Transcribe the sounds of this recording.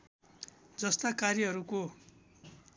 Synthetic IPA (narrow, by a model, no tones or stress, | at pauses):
d͡zʌst̪akarjʌɦʌɾuko